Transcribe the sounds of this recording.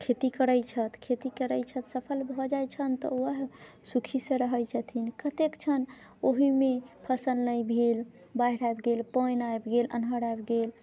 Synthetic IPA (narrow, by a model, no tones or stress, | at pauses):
kʰet̪ikəɾəjt͡ʃʰət̪ʰkʰet̪ikəɾəjt͡ʃʰət̪səpʰəlbʱɔd͡ʒajt͡ʃʰənt̪ɔ̰əɦ | sukʰisə̃ɾəɦəjt͡ʃʰət̪ʰinkət̪ekt͡ʃʰən | oɦimepʰəsəlnəjbʱel | baɦiɽajbɡelpəjnajbɡelə̰nɦəɽajbɡel